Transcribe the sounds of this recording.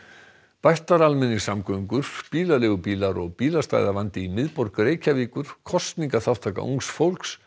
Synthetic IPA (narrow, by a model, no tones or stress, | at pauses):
pajht̪aɾalmɛnːɪsamkœŋkʏɾ̥piːlalʏːɣʏpiːlaɾɔɣpiːlast̪a̰jðavant̪ɪimɪðpɔɾkʏɾeːjcaviːkʏɾ̥kʰɔst̪niŋkaθaw̥t̪ʰaːka̰ʔṵŋsfowlks